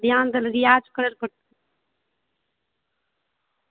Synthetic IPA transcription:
d̪jaːnd̪ɐlɾɪjaːd͡ʒkɐɽɐɾkɐɽt̪

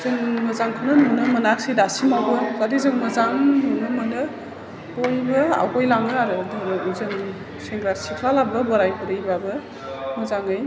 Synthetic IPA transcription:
zɯŋmɐzaŋkʰɯnɯnunɯmɐnak̚sidasimabɯzadizɯŋmɐzaŋnunɯmɐnɯ | bojbɯa̰wkojlaŋɯaɾɯdɯɾɯuzɯŋ | seŋɡɾaɾsikʰlalabɯbɔɾajbɯɾɯjbabɯ | mɐzaŋɯj

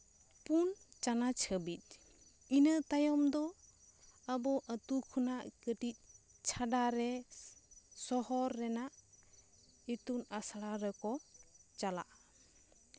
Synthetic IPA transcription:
punt͡ʃanat͡ʃʰəbit̪̚ˀ | inət̪ajɔmd̪ɔ | əbɔʔət̪ukʰɔnaʔkəʈic̪̚ˀ | t͡ʃʰaɖaɾɛ | sɔɦɔɾːɛnaʔ | it̪unasaɽaɾɛkɔt͡ʃala̰ʔ

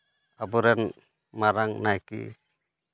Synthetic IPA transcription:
abuɾɛn | maɾaŋnajkḭ

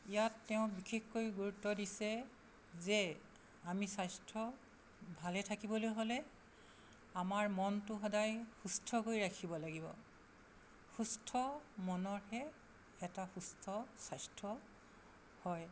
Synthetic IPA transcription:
ijatːɛʊ̃bikʰexkojɡuɹutːɔdisɛ | zɛ | amisajstʰɹɔ | bʱalɛtʰakibɔlojɦolɛ | amaɹmɔntʊxɔdajxustʰɔkojɹakʰibɔlaɡibɔ̰ | xustʰɔmɔnɔɹhɛ | ɛtaxustʰɔsajstʰɹɔ | hɔj

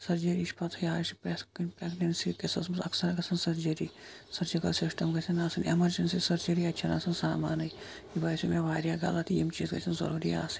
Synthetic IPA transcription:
sɐɾd͡ʒɐɾiʃpɐt̪ʰɐjaːsi̥pɾeskinʲpɾeɡnɐnsikesɐsmsɐ̰ksɐɾɡɐsɐnsɐɾd͡ʒɐɾisɐɾd͡ʒikɐlsisʈɐmɡɐsʰɐnaːsɐnemɐɾd͡ʒɐnsisɐɾd͡ʒɐɾiɐt͡ʃʰina̰ːsɐnsaːmaːnɨj | ibɐːjsimeʋaːɾjaːɡɐ̰lɐt̪ʰiemt͡ʃiːzɡɐ̰sʰɐnzɐ̰ɾuːɾia̰ːsi̥

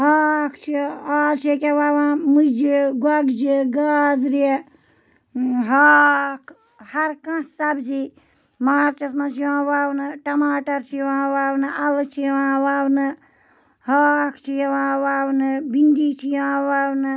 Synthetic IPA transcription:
hakʰt͡ʃʰiaːt͡ʃʰekʲeʋaʋãːmud͡ʒiɡɐɡd͡ʒiɡaːzɾe | ɦakʰ | hɐɾkãssɐbsi | maːɾt͡ʃɐsmɐ̃t͡ʃiʋãːʋawnɨʈɐmaːʈɐɾt͡ʃʰiãːʋaːwnɨʔɐlt͡ʃʰiʋãːʋawnɨ | haːkʰt͡ʃʰijɛʋãːwawnɨbind̪iːt͡ʃʰiãːwawnɨ

